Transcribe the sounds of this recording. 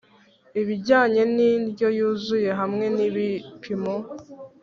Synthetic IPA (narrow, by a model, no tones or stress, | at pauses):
iβiɟaːɲe̞niɾɟo̞juːzuje̞ɦamŋe̞niβipʰimo